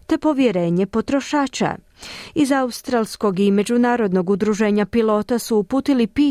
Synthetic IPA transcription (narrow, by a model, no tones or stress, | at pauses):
t̪e̞po̞ʋje̞ɾe̞ːɲe̞po̞t̪ɾo̞ʃaːt͡ʃa̰ | izaust̪ɾalˠsko̞ɡime̞d͡ʑunaːɾo̞d̪no̞ɡud̪ɾuʒe̞ːɲapilˠo̞ːt̪asuːpuːt̪ilipiː